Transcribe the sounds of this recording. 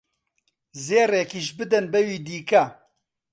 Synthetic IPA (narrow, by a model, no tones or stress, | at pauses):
zeːreːkiːʃbɨd̪ɛnbɛwiːd̪iːkɐ